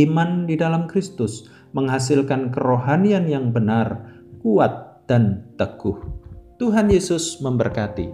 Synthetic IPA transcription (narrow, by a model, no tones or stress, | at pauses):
imandidalamkɾist̪ʊs | məŋɦasɪlkankəɾoɦanianjaŋbənar | kuat̪̚d̥ant̪əɡ̥ʊht̪uɦanjesʊsməmbərkat̪ḭ